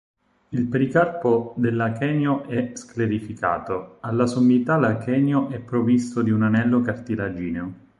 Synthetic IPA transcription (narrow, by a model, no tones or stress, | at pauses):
ilpeɾikarpod̪elːakɛːnjoʔɛskleɾifika̰ːt̪oalːasomːit̪alakɛːnjoʔɛpːɾovist̪od̪iunanɛlːokart̪ilad͡ʒiːneo